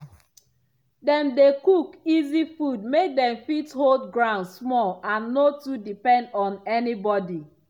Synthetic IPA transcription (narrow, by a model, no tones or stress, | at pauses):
dɛ̃mdekukizifud̚mek̚dɛ̃mfitholdɡɹãʊ̃ndssmɔlãnːotudipɛ̃ndɔ̃nɛnibɔdi